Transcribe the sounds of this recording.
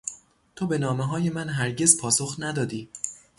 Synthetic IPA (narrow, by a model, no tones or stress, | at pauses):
t̪ʰobe̞nɒːmeɦɒːje̞mænɦæɾɟe̞zpʰɒːsoxnæd̪ɒːd̪iː